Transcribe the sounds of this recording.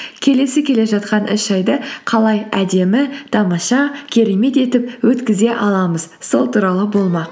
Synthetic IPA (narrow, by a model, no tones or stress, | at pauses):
kʲʰe̞le̞sɪkʲʰe̞le̞ʒɑt̪qɑnʔɪʃɑjd̪əqʰɑlˠɑjæd̪e̞mɪt̪ʰɑmɑʃɑkʲʰe̞ɾe̞me̞t̪e̞t̪ɪp̚wɵt̪kʲɪze̞ʔɑlˠɑməzso̞̰lˠt̪uɾɑlˠəbo̞lˠmɑq